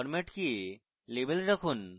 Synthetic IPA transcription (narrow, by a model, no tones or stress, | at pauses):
ɾmeʈki | leːbəlɾɐkʰun